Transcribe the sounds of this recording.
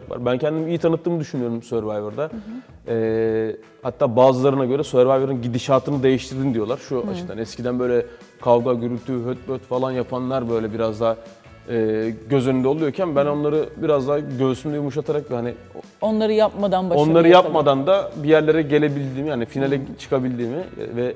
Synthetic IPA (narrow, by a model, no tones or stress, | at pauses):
kvˠa̰ɾbæncʰɛnd̪imiːjit̪ʰanɯt̪ːɯːmɯd̪yʃynyjo̞ɾumsɛɾvajvaɾd̪a | ɛː | hat̪ːaːbaːzɯlˠaɾɯnaɟø̞ɾɛsuɛɾvajveɾɯnɟid̪iʃaːt̪ʰɯnɯd̪e̞jiʃt̪ʰiɾd̪ind̪ijo̞lˠaɾʃuat͡ʃʰɯ̥d̪anɛscid̪ænbø̞jlʲɛ | kʰavɡaɟyɾylʲt̪ʰyɦøt̪̚bøɾt̪falˠanjapʰanlˠaɾbø̞jlʲɛbiɾazd̪aɦ | ɛːɟøzønynd̪ɛo̞lˠujoɾcʰænbæno̞nlˠaɾɯbiɾazd̪aɦɟø̞zsymd̪ɛjumuʃ̬ˠat̪ʰaɾakvhani | onlˠaɾɯjap̚mad̪anbaonˠaɾɯjapmad̪and̪abijæɾlʲe̞ɾɛɟe̞lʲe̞bilʲd̪iːmihaːnifinalʲɛt͡ʃʰɯ̥kʰabilʲd̪iːmɪ̰vɛ